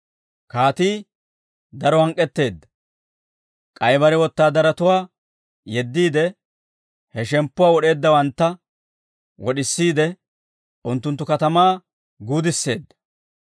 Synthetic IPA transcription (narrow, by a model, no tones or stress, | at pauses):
kaːt̪iː | d̪ɐɾɔhɐŋkʼːɛt̪ːe̞ːd̪ːɐ | kʼɐjbɐɾɛwɔt̪ːaːd̪ɐɾɐt̪ʊwaː | jɛd̪ːiːd̪ɛ | hɛʃɛmpːʊwaːwɔɗe̞ːd̪ːɐwɐnt̪ːɐ | wɔɗɪsːiːd̪ɛ | ʔʊnt̪ːʊnt̪ːʊkɐt̪ɐmaː | ɡuːd̪ɪsːe̞ːd̪ːɐ̥